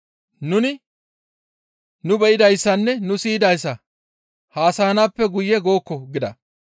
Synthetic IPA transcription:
nʊnɪ | nʊbɛʔɪd̪ɐjsːɐnːɛnʊsiːd̪ɐjsːɐ | haːsaːnaːpːɛɡʊjːɛɡo̞ːkːɔɡɪd̪ɐ

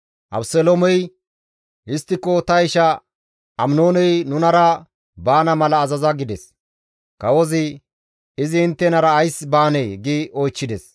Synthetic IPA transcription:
ʔɐ̰bsɛlomɔj | ɪst̪ːɪkːɔt̪ɐɪʃɐ | ɐmno̞ːnɛjnʊnɐɾɐ | baːnɐmɐlɐːzɐzɐɡɪd̪ɛs | kɐwɔzɪ | ɪzɪɪnt̪ːɛnɐɾɐːjsbaːnɛjɡɪɔjt͡ʃːɪd̪ɛs

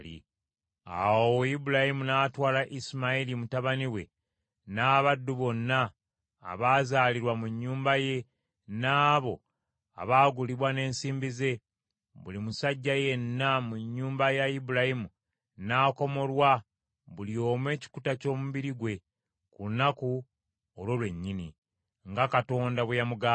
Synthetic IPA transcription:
ḭ | a̰wojibuɾahimunatwaːlaʔismailimutaβaniwe̞̰ | naːβadːuβo̞nːa̰ː | βaːzaːliɾwamuɲːuːmbaje̞ | naːβo̞ | a̰βaːɡuliβwane̞ːnsiːmbize̞ | βulimusaɟːaje̞nːamuɲːuːmbajaibuɾahimu | naːko̞mo̞ɾwa | βulio̞ːmwe̞ːci̥kutaco̞ːmuβiɾiɡwe̞ | kuunaku | olwo̞lwe̞ɲːini | ŋɡakato̞ːndaβejamuɡaː

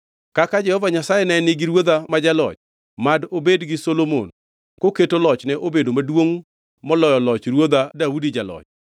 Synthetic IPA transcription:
kakad͡ʒɛhɔvaɲasajɛnanɪɡiɾwod̪amad͡ʒalɔ̰t͡ʃ | madobedɡɪsolomo̰n | koketolɔt͡ʃnɛʔobedomadwoŋ | mɔlɔjɔlɔt͡ʃɾwod̪adaudid͡ʒalɔ̰t͡ʃ

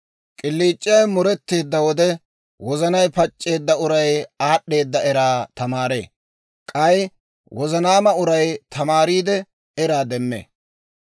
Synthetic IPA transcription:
kʼɪlːiːt͡ʃʼːɪjɐjmʊɾɛt̪ːe̞ːd̪ːɐwɔd̪ɛ | wɔzɐnɐjpɐt͡ʃʼːe̞ːd̪ːɐʊɾɐjaːɗːe̞ːd̪ːɐɛɾaːt̪ɐmaːɾḛː | kʼɐj | wʔɔzɐnaːmɐʊɾɐjt̪ʰɐmaːɾiːd̪ɛ | ɛɾaːd̪ɛmːḛː

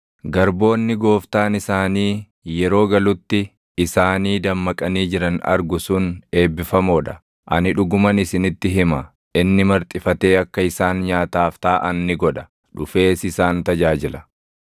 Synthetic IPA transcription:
ɡɐɾbo̞ːnːɪɡo̞ːft̪aːnɪsaːniː | jɛɾo̞ːɡɐlʊt̪ːɪː | saːniːd̪ɐmːɐkʼɐniːd͡ʒɪɾɐnɐ̰ɾɡʊsʊne̞ːbːɪfɐmoːᶑɐ | ʔɐ̰nɪᶑʊɡʊmɐnɪsɪnɪt̪ːɪɦɪmɐ | ʔɪnːɪmɐɾt̪ʼɪfɐt̪e̞ːɐkːɐɪsaːnɲaːt̪aːft̪aːʔɐnːɪɡɔᶑɐ̥ | ᶑʊfe̞ːsɪsaːnt̪ɐd͡ʒaːd͡ʒɪlɐ

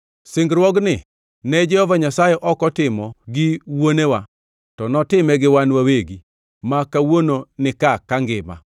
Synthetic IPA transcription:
sɪŋɡɾwɔɡnɪ | nɛd͡ʒɛhɔvaɲasajɛʔɔkɔtɪmɔɡɪwonewa | tɔnɔtɪmɛɡɪwanwaweɡi | makawononɪkakaŋɡɪma̰

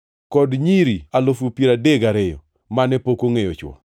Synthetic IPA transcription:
kɔdɲiɾialofupiɾadeɡaɾɛjɔ̰ | manɛpokoŋejɔt͡ʃwɔ̰

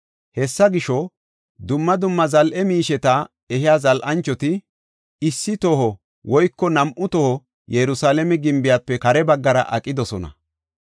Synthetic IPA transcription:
hɛsːɐɡɪʃɔ | d̪ʊmːɐd̪ʊmːɐzɐlʔɛmiːʃɛt̪a | ɛɦɪjaːzɐlʔɐnt͡ʃːɔt̪ɪ | ɪsːɪt̪ohɔ | wɔjkːɔnɐmʔʊt̪ɔhɔ | jɛɾʊsaːlɛmɛɡɪmbɪjaːpːɛkɐɾɛbɐɡːɐɾɐ̰ʔɐkʼːɪd̪ɔsɔnɐ̰

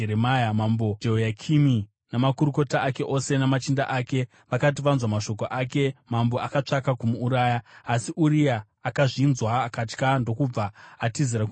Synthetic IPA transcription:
eɾemajamambo̞d͡ʒeojakʰimi | namakuɾuko̞taʔake̞ʔo̞se̞namat͡ʃindaʔake̞ | ʋakat̬iʋanzwamaʃo̞k̬o̞ʔake̞mambo̞akat͡ʂakakumuːɾaːjaːsiʔuɾijaː | kaʐinzwaːkat͡ʃkando̞kub͡vaːtiziɾaku

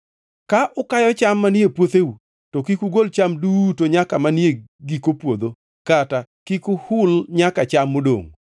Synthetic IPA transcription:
kaʔʊkajɔt͡ʃamːanepwot̪eu | tokikuɡolt͡ʃamdutoɲakamanjeɡikopwod̪o | katakikuhʊlɲakat͡ʃamːodo̰ŋ

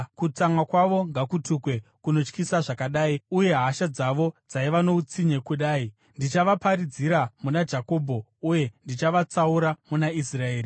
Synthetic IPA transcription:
kut͡samwakwaʋo̞ŋɡakutukwe̞kuno̞t͡ʃkisaʐakaɗaːiuje̞ɦaʃad͡zaʋo̞d͡zaiʋano̞ut͡siɲe̞kuɗaːi | ndit͡ʃaʋapaɾid͡ziɾamunad͡ʒako̞ːbʱo̞ | uje̞ndit͡ʃaʋat͡sauɾamunaisrae̞ːri

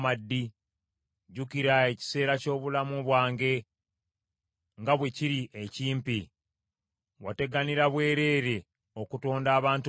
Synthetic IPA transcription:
madːi | ɟukiɾae̞ci̥se̞ːɾaco̞ːβulamuβwaːŋɡe̞ | ŋɡaβwe̞ciɾiʔeciːmpi | wate̞ɡaniɾaβwe̞ːɾe̞ːɾe̞ | o̞kuto̞ːndaːβaːnt

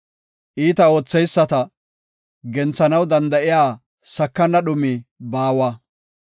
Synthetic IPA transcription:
ʔiːt̪ɐo̞ːt͡sːɛjsːɐt̪ɐ | ɡɛnt͡sːɐnɐwd̪ɐnd̪ɐʔɪjaː | sɐkːɐnːɐɗʊmibaːwaː

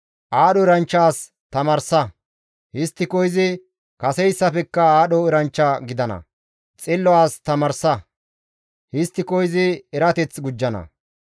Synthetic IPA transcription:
ʔaːɗɔɪɾɐnt͡ʃːaːs | t̪ɐmɐɾsɐ | hɪst̪ːɪkɔjzɪ | kɐsɛjsːɐfɛkːɐaːɗɔɪɾɐnt͡ʃːɐɡɪd̪ɐnɐ̰ | t͡sʼɪlːɔwaːst̪ɐmɐɾsɐ | hɪst̪ːɪkɔjzɪɛɾɐt̪ɛt͡sɡʊd͡ʒːɐnɐ̰

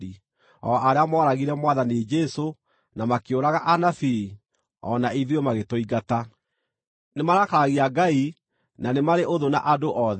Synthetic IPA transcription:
i | ɔʔaɾeamɔɾaɣiɾɛmwaðanid͡ʒɛso | namakeoɾaɣaʔanafi | ɔ̰naiðjɔmaɣetoiɡata | nemaɾakaaɣiaɡai | nanemaɾeʔoðonaʔadoʔɔðɛ

